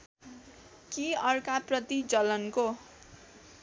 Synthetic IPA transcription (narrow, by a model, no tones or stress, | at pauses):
kiʌrkaprʌt̪id͡zʌlʌnko